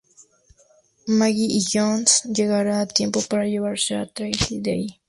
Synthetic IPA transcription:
maɡiijonsjeɣaɾat̪jempopaɾajeβaɾsat̪ɾajt̪id̪ej

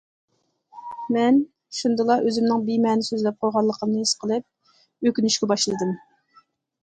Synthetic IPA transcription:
mɛn | ʃund̪ɨlˠɑʔøzymnɨŋbimɛːnɪsøzlɛp̚qʰojʁɑlˠːəqʰəmnɨhisqʰəlˠɨp̚ | økʲynyʃkʲɛbɑʃlˠɨd̪ɨm

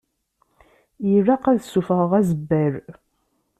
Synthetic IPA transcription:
jərːɑqæðsːufəʁəʁæzəbːæɾ

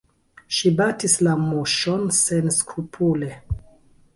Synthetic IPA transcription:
ʃibatislamuʃonsenskɾupʰule

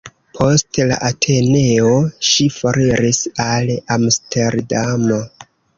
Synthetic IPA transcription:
pʰo̞stla̰ʔatʰe̞ne̞oʃifoɾiɾisalamstʰe̞ɾdamo

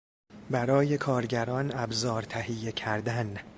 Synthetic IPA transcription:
bæɾɒːje̞kʰɒːɾɟæɾɒːnæbzɒːɾt̪ʰæhije̞cʰæɾd̪æn

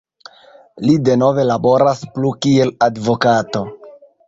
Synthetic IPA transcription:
lide̞no̞ve̞labo̞ɾasplukie̞ladvo̞kato̞

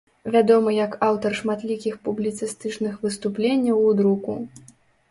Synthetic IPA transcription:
vʲad̪ɔmɨjɐkawt̪ɐrʂmat̪lʲikʲixpublʲit̪sɨst̪ɨt͡ʂnɨxvɨst̪uplʲenʲːɐwud̪ɾuku

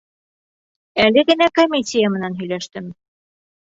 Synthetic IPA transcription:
ælɘɡɘ̆nækomʲisʲijamɘ̆nænɦɵ̆jlæʃt̪ɘm

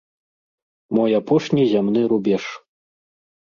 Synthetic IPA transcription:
mɔjapɔʂnʲizʲamn̪ɨɾubʲɛʂ

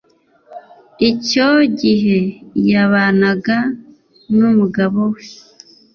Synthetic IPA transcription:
ico̞ɟiɦe̞jaβaːnaɡa | numuɡaβo̞we

